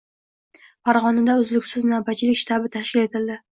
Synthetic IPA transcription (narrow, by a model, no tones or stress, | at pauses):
faɾʁɒnad̪aʊzlɪkʲsɪznawbat͡ʃʰɪlɪkʲʃɪ̥t̪ʰabɪt̪ʰaʃkʲɪle̞t̪ʰɪld̪ɪ